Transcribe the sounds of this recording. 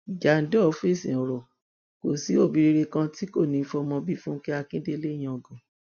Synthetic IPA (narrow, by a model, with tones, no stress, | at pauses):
i˨d͡ʒa˨n̩˨˦dɔ˦˨˧fi˦˨sḭ̃˨ɔ˨ɾɔ˨ | ko˨si˨˦o˦˨bi˨˧ɾi˧ɾe˧kã˧ti˦ko˦˨nĩ˨˧˦fɔ˧mɔ̃˧bi˦˨fũ˦kɛ˦a˧kĩ˦de˦le˦j̃ã˧ɔ˨ɡɔ̃˨